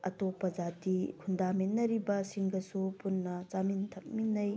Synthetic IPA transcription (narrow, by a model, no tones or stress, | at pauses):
ɐtopɐd͡ʒatikʰundaminːɐɾibɐsiŋɡɐsupunːɐt͡ʃamintʰɐk̚minːɐj